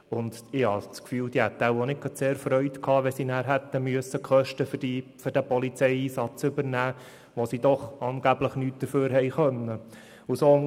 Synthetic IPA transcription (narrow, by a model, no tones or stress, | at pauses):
ʊnd̪ɪhɑ̰t͡skfyːld̥̪ihɛt̪ːæwonɪkkɑtseːɾfɾœʏt̪kʰɑːʋɛsinæːɾɦɛt̪ːəmyəsːəkχœʃtəfiføɾd̥æpɔlit͡sɛjiːsɑt͡sʏbəɾnæː | ʋosid̥̪ɔχɑːnɡ̥æbləχnyːt̚d̥̪əɾføːɾɦɛɪχœnːə | uso